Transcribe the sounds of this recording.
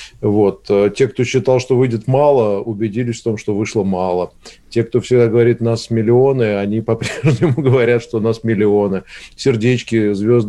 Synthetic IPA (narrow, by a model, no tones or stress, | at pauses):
vo̞t̪ətʲe̞k̚t̪o̞ɕːɪt̪ɑlˠʂt̪o̞vɨjdʲɪt̪mɑlˠəʊbʲɪdʲilʲɪsʲft̪o̞mʂt̪o̞vɨʂlˠəmɑlˠətʲe̞k̚t̪o̞fsʲɪɡd̪aɡəvɐɾʲit̪nasmʲɪlʲɪo̞nɨɐnʲipɐpɾʲeʐnʲɪmʊɡəvɐɾʲat̪ʂt̪o̞nasmʲɪlʲɪonɨsʲɪrdʲet͡ɕkʲɪzvʲo̞zd̪